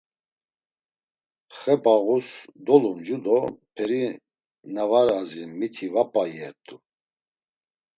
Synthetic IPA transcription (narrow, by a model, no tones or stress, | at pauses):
χɛbaɣusd̪ɔlumd͡ʒud̪ɔpʰɛɾi | navaɾazimit̪ʰivapʼajɛɾt̪ʼu